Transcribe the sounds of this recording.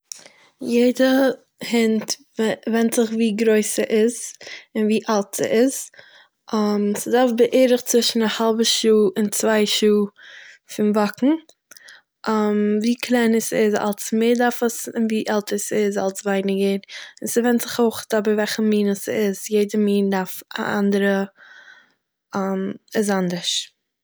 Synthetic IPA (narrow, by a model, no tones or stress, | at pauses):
jeɪdə | hɪntvvɛntz̥ɪχviːɡɾoɪsəʔɪzɪnviːʔalˠtz̥ə̰ʔɪz | amsɪdaɾfbəʔeːɾɪχt͡svɪʃn̩ahalˠbəʃuːɪnt͡svaɪʃuːfɪnvakŋ̩ | ʔamviːkʰlˠaɪnəsɪza̰lˠsmeːɾdaɾfəsɪnviːʔɛlˠtʰəsɪza̰lˠsvaɪnɪɡəɾɪnsɪvɛntz̥ɪχoʊχtɔbəvɛlˠχəmiːnəsɪzjeɪdəmiːndaɾfa̰ʔa̰ndəɾə | amɪz̬andəɾʃ